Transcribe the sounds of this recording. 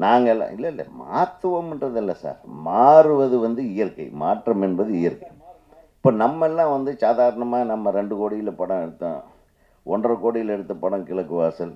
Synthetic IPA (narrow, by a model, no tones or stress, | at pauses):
naːŋɡɐɛlːã̰ːɪlːɐɪlːɐ̰ma̰ːt̪ːɯʋɐmɛnrɐðɪlːɐsa̰ːɾmaːɾɯʋɐðɯʋɐnd̪ɯɪjɐɾkːɐ̰ɪmaːʈrɐmɛnbɐðɯɪjɐɾkɐ | ɪpːoːnɐmːɐɛlːãːʋɐnd̪ɯsaːðaːɾɐɳɐmaːnɐmːɐɾɛɳɖɯkoːɽɪjɪlɛpːɐɽɐ̃ɛɽɯt̪ːã̰ː | ɔndrɐkoːɽɪjɪlɛɽɯt̪ːɐpːɐɽɐ̃kɪɭɐkːɯʋaːsɐl